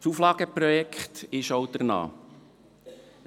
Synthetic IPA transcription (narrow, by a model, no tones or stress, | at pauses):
suːflɑːɡ̥əpɾɔjɛkχt̪ɪʃowd̥̪əɾnɑ̰ː